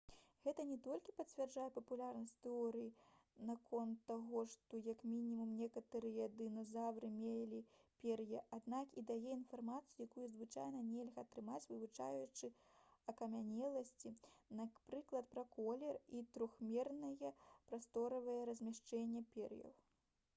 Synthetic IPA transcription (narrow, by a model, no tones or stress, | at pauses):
ɣɛt̪ɐnʲɛt̪ɔlʲkʲipɐt͡sʲvʲɛrd͡ʐajɛpɐpulʲarnɐsʲtʲt̪ɛɔɾɨjinakʰɔnt̪ːaɣɔʂt̪ɔjɐkmʲinʲimumnʲɛkɐt̪ɨɾɨjad̪ɨnɐzawɾɨmʲelʲipʲɛrjɛʔad̪nakid̪ajɛinfarmat̪sɨjujakujuzvɨt͡ʂajnɐnʲɛlʲɣɐːt̪ɾɨmat͡sʲvɨvut͡ʂa̰jut͡ʂɨɐkɐmʲanʲɛlˠɐsʲt͡sʲinapɾɨklˠɐt̪̚pɾɐkɔlʲɛrit̪ɾuxmʲɛrnɐjɐpɾast̪ɔɾɐvɐjɐɾɐzʲmʲaʂt͡ʂɛnʲːɐpʲɛrjɐ̰w